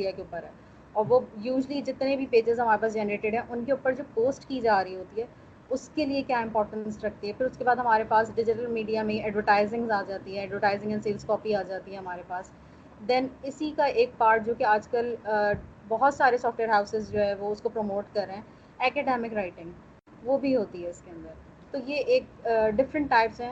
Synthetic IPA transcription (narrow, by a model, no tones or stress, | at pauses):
iɖijakeʊpːəɾɦɛː | ɔːɾʋojuːʒlid͡ʒɪt̪nẽbʱipeːd͡ʒɪzɦɐmaːɾepaːs̬d͡ʒɛnəɾeːʈɪɖɦɛ̃ʔʊnkeʊpəɾd͡ʒoːpoːsʈkid͡ʒaːɾəɦiɦoːt̪iɦɛː | ʊskeliekjaːɪ̃mpɔːɾʈə̃nsɾɐkʰt̪iɦɛfʰɪɾʊskebaːd̪ɦɐmaːɾepaːsɖɪd͡ʒɪʈəlmiːɖijamẽɛːɖʋəɾʈaːɪzɪ̃ŋzaːd͡ʒaːt̪iɦɛ̃ɛːɖʋəʈaːɪzɪ̃ŋɡɛ̃nseːlskɔːpiaːd͡ʒaːt̪iɦɛ̃ɦɐmaːɾepaːs | d̪ɛnɪsikaʔeːk̚paːɾʈ̚d͡ʒoːkeaːd͡ʒkəl | bɔɦɔt̪saːɾesɔːfʈʋeːɾɦaːʊsɪzd͡ʒoːɦɛ̃ʋoʊskopɾomoːʈkɐɾːeɦɛ̃ː | ɛːkɛːɖɛːmɪkɾaːɪʈɪ̃ŋɡ | ʋoːbʱiɦoːt̪iɦɛɪskeɐ̃nd̪əɾ | t̪oːjeʔeːk̚ːɖɪfɾə̃ɳʈːaːɪpsɦɛ̃ː